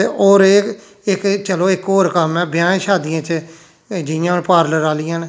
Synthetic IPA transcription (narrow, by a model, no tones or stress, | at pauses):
eːoːɾe | ɪkt͡ʃəloːɪkoːɾkəmɛːbjãːʃaːd̪ɪjãːt͡ʃ | d͡ʒɪjãːnpaːɾləɾaːlɪjãːnː